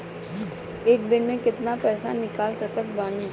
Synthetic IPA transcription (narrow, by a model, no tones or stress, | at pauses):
eːk̚bɪnmẽkɪt̪napɛːsa̰nɪkaːlsɐkət̪baːni